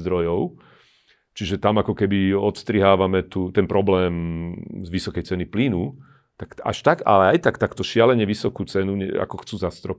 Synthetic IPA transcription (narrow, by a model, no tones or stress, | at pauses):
d̪ɾɔjɔʊ | t͡ʃiʒɛt̪amakɔkɛbiɔt̪st̪ɾiɦaːʋamɛt̪uːt̪ɛnpɾɔblɛːmzʋisɔkɛjt͡sɛniplinu | t̪aka̰ʃt̪aɡa̰lɛajt̪akt̪akt̪ɔʃɪalɛɲɛʋisɔkuːt͡sɛnuɲɛa̰kɔxt͡suːzast̪ɾɔp